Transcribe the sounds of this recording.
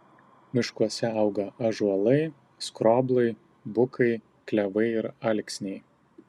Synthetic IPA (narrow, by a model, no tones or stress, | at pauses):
mʲɪʃkuɔsʲɛɐʊɡɐɐʒuɔlˠɐɪ | skɾoːblˠɐɪ | bʊkʰɐɪ | klʲɛʋɐɪɪɾɐlʲksʲnʲɛɪ